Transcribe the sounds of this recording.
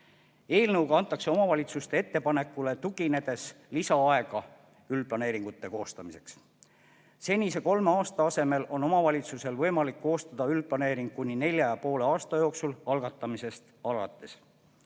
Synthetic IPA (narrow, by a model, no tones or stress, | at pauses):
e̞ːlnɤwɡɑɑnt̪ˑːɑkse̞o̞mɑvɑlʲit̪sust̪e̞et̪ːe̞pɑne̞kːˑule̞t̪uɡ̥ine̞d̪̥e̞s | lisɑɑe̞ɡ̥ɑ | ylplɑne̞ːɾiŋɡ̥ut̪ːe̞ko̞ːst̪ɑmise̞ks | se̞nʲise̞ko̞lmeɑːst̪ɑɑse̞me̞lo̞no̞mɑvɑlʲit̪suse̞lvɤ̞jmɑlikːo̞ːst̪ɑd̪̥ɑylplɑne̞ːɾiŋɡ̥̚kunʲːine̞lʲjɑjɑpo̞ːle̞ɑːst̪ɑjo̞ːksulɑlɡ̥ɑt̪ːˑɑmise̞st̪ɑlɑ̰t̪ːˑe̞s